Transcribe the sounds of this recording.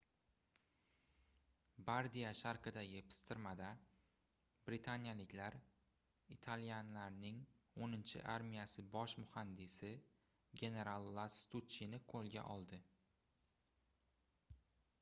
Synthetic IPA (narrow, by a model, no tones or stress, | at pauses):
baɾd̪ijaʃaɾqʰɨd̪ajʲe̞pʰɪ̥st̪ɪɾmad̪a | bɾɪt̪ʰanjalɪkʲlaɾ | it̪ʰalijanlaɾnɪŋonɪnt͡ʃʰɪ̰ʔaɾmijasɪbɒʃmʊhand̪ɪsɪ | ɡʲe̞ne̞ɾalˠːat̪st̪ut͡ʃːinɪqʰolˠɡʲa̰ʔɒlˠd̪ɪ